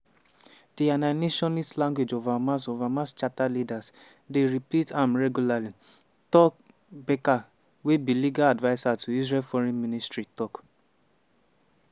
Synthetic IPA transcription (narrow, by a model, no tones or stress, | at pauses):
d̥iananeʃɔnistlãŋɡwed͡ʒovamas̬ovamãst͡ʃatalidas | deɹiplitʰãmɹɛɡjulali | tɔk̚ | beka | webiliɡaladvaɪsatuiz̬ɹɛlfɔɾɛ̃nministɹitɔk